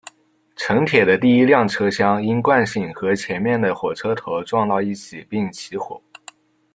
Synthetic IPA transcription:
ʈ͡ʂʰɤ˧˥ŋt̪ʰjɛ˨˩d̪ə˦t̪i˥˩i˥ljɑ˥˩ŋʈ͡ʂʰɤ˥ɕjɑ˥ŋi˥nkwa˥˧nɕi˥˩ŋxɤ˧˥t͡ɕʰjɛ˧˥nmjɛ˥˩nd̪ə˩xwɔ˨˩ʈ͡ʂʰɤ˥t̪ʰo˧˥ʊʈ͡ʂwɑ˥˧ŋt̪ɑ˥˧ʊi˥˩t͡ɕʰi˨˩pi˥˩ŋt͡ɕʰi˧˥xwɔ̰˨˩˦

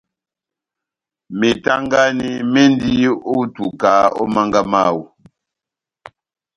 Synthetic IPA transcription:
mi˨ta˦ŋɡa˦ni˦me˦n˦di˦o˦tu˨ka˨˦ɔ̰˦ma˦ŋɡa˦maː˦˨wu˨

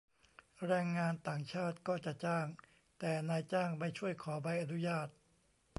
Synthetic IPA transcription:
ɾɛː˧ŋːaː˧nt̪aː˨˩ŋt͡ɕʰaː˥˩t̪̚kɔː˥˩t͡ɕa˨˩ʔt͡ɕaː˥˩ŋ | t̪ɛː˨˩naː˧jt͡ɕaː˥˩ŋma˥˩jt͡ɕʰu˥˩əjkʰɔː˩˦ba˧jʔa˧nu˦˥jaː˥˩t̪̚

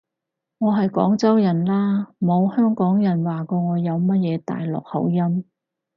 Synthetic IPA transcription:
ŋɔː˨˧ɦɐ˨jkɔ̰ː˨˥ŋt͡sɐ˥wjɐ˨˩nlaː˥mo˨˧whœː˥ŋkɔː˨˥ŋjɐ˨˩nwaː˨kɔː˧ŋɔː˨˧jɐ˨˧wmɐ˥t̚jɛː˨˧t̪a̰ː˨jlɔ̰ː˨˩k̚hɐ̰˨˧˥wjɐ˥m

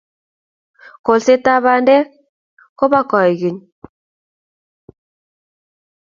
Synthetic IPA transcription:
ko˨lse˦ta˦βa˦ndɛ˦ | ko˦βa˦kɔ˨ɛ˨ɣi˨ɲ

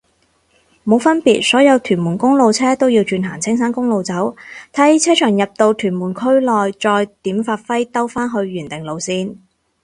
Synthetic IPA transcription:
mo˨˧wfɐ˥npiː˨t̚sɔː˨˥jɐ˨˧wt̪ʰyː˨˩nmuː˨˩nkʊ˥ŋlo˨wt͡sʰɛː˥t̪o˥wji˧wt͡ʃyː˧nɦaː˨˩nt͡sʰɪ˥ŋsaː˥nkʊ˥ŋlo˨˧wt͡sɐ˨˥wt̪ʰɐː˧˥t͡sʰɛː˥t͡ʃʰœː˨˩ŋjɐ˨p̚t̪o˧wt̪ʰyː˨˩nmuː˨˩nkʰɵ˥ɥlɔː˨jt͡sɔː˧jt̪iː˨˥mfaː˧t̚fɐ˥jt̪ɐ˥wfaː˥nɦɵ˧ɥɥyː˨˩nt̪ɪ˨ŋlo˨˧wsiː˧n

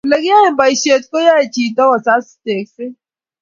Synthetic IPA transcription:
le˨ɡi˦a˦e˨m̩˦ba˨i˨ʃe˨tko˦ja˦e˨t͡ʃi˨tɔ˦ɣɔ˨sa˦ste˨kse˦

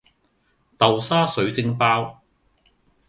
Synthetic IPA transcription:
t̪ɐ˨wsaː˥sɵ˨˥ɥt͡sɪ˧˥ŋpaː˥w

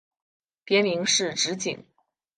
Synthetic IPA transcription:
pjɛ˧˥nmi˧˥ŋʂɻ̩˥˩ʈ͡ʂɻ̩˧˥t͡ɕḭ˨˩˦ŋ

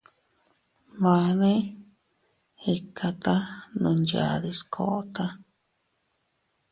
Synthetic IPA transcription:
βã˧nẽ˦ | hi˧kʰa˧t̪a˦nũ˧nd͡ʒa̰˧˨ði˧skʰo̰˧˨ʔo˦t̪a˦

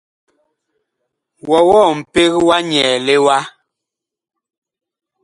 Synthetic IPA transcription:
wɔ˨wɔ˦˨m̩˨pe˦ɣwa˦ɲɛː˨le˦wa˦

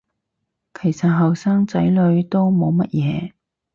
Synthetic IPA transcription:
kʰe˨˩jsɐ˨t̚ɦɐ˨wsaː˥ŋt͡sɐ˨˥jlɵ˨˧ɥt̪o˥wmo˨˧wmɐ˥t̚jɛː˨˧

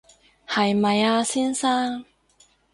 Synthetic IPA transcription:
hɐ˨jmɐ˨jaː˧siː˥nsaː˥ŋ

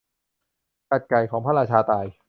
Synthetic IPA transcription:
ka˨˩t̪̚ka˨˩jkʰɔː˩˦ŋpʰa˥˩ɾaː˧t͡ɕʰaː˧t̪aː˧˩j

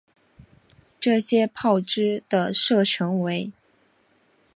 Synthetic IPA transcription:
ʈ͡ʂɤ˥˩ɕjɛ˥pʰɑ˥˩ʊʈ͡ʂɻ̩˥d̪̥ə˨ʂɤ˥˩ʈ͡ʂʰɤ˧˥ŋwe˧˥ɪ

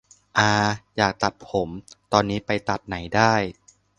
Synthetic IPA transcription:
ʔaː˧jaː˨˩k̚t̪a˨˩t̪̚pʰo˩˦mt̪ɔː˧nːiː˦˥pa˧jt̪a˨˩p̪̚na˩˦jdaː˥˩j

